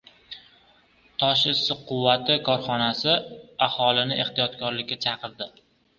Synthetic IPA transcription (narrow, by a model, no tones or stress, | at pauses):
t̪ʰɒʃɪsɪqʰʊwːat̪ʰɪkʰɒɾχɒnasɪahɒlˠɪnɪʔe̞χt̪ijɒt̪kʰɒɾlɪkʲːat͡ʃʰɑqɨɾd̪ɪ